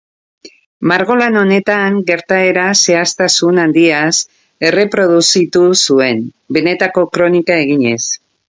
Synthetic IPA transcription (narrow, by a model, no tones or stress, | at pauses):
maɾɣo̞lano̞ne̞t̪aŋɡe̞ɾt̪ae̞ɾase̞ast̪asunand̪ias | e̞re̞pɾo̞ðusit̪usue̞n | be̞ne̞t̪ako̞kɾo̞nikae̞ɣ̞iɲe̞s